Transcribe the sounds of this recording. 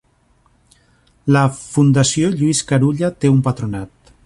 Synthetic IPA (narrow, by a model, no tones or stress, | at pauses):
ləfund̪asioʎuiskaɾuʎat̪eumpat̪ɾunat̪